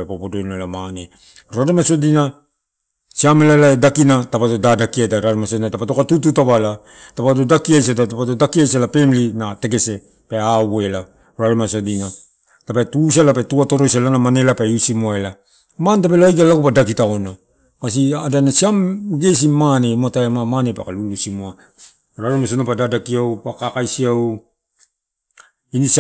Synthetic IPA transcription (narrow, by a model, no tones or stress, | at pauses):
epopodojnoelamane | ɾadomaso̞dina | siamelalaedakinatapatodadakiadaɾadamasodinatapatokatututaβala | tapadodakiajs̬adatapatodakiajsalape̞mlinate̞ke̞se̞ | peawe̞la | ɾadamasodina | tapatus̬ialapatuato̞ɾojsalanamanelapausimuaela | mantapeloajɡalakupadakitaona | kas̬iadanasiamɡe̞s̬imanematajamamanepa̰kalulusimua | ɾaɾemasonapadadakiawpakakajsiaw | inis